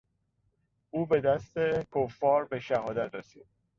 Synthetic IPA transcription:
ʔuːbe̞d̪æst̪e̞kʰofːɒːɾbeʃæhɒːd̪æt̪ʰresḭːd̪̥̚

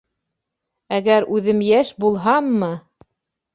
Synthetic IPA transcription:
æɡæɾʉðɘmjæʃbulˠɦɑmːɤ

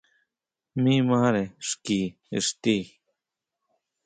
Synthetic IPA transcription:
mĩːmaːɾeʂkiː | ḭst̪iː

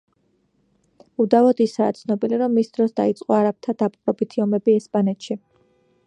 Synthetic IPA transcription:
ud̪avɔd̪isa̰ːt̪sʰnɔbiliɾɔmːisd̪̥ɾɔsd̪a̰it̪sʼqʼɔaɾap̚t̪ʰad̪apʼqʼɾɔbit̪ʰiɔmɛbiɛspʼanɛt̪ʃi

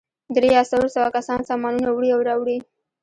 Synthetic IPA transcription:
d̪ɾeasawosawakasɑnsɑmɑnunawɽiawɾɑwɽi

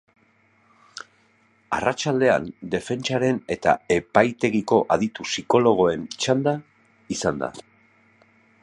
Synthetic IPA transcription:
a̰rat͡ʃald̪e̞a̰nd̪e̞fe̞nt͡ʃaɾe̞ne̞t̪a̰e̞pajt̪e̞ɣiko̞ʔaðit̪usiko̞lo̞ɣ̞o̞e̞nt͡ʃand̪a | isand̪a̰

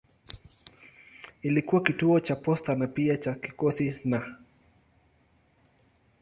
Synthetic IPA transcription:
ilikuwakituɔt͡ʃapɔstanapiat͡ʃakikɔsina

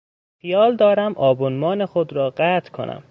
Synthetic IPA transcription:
xijɒːld̪ɒːɾæmʔɒːbonmɒːnexod̪ɾɒːɢæt̪ʰkʰo̰nʔæ̰m

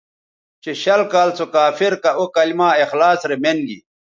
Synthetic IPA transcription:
t͡ɕeɕɐlkaːlt͡sʰokaːfiɾkɐʔokɐlimaːexlaːsɾemenɡḭ

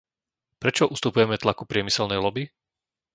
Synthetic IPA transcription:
pɾɛt͡ʃɔʔust̪upujɛmɛt̪lakupɾɪɛmisɛlnɛjlɔbi

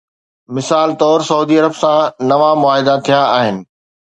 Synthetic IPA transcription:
mɪsaːlt̪ɔːɾsɐuːd̪iɐɾəbsãnɐʋamʊaːɦɪd̪at̪ʰijaːɦɪnɪ̆

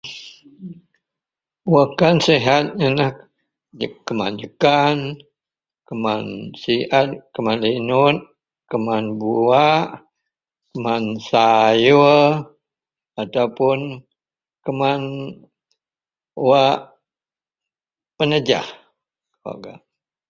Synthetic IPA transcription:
wakanseɦat̪̚anah | kəmand͡ʒəkan | kəmansiʔat̪̚kəmanlinʊt̪̚ | kəmanbuaʔ | kəmansaju | at̪aupʊn | kəman | waʔ | pənəd͡ʒa̰h | a̰ɡa̰

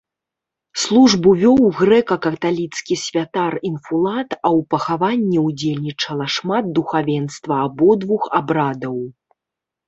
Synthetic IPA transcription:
slˠuʐbuvʲɔwɣɾɛkɐkɐt̪alʲit̪skʲisʲvʲat̪arinfulˠat̪ɐwpɐxavanʲːɛud͡zʲelʲnʲit͡ʂɐlˠɐʂmad̪̚d̪uxavʲɛnst̪vɐːbɔd̪vuxabɾad̪ɐw

